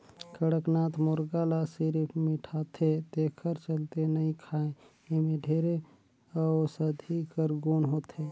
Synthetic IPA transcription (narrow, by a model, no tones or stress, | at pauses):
kəɽəknat̪ʰmoɾɡalasiɾpʰmiʈʰat̪ʰet̪ekʰəɾt͡ʃəlt̪enəĩkʰaẽ | emeɖʱeɾe | ɔsəd̪ʱikəɾɡonɦot̪ʰe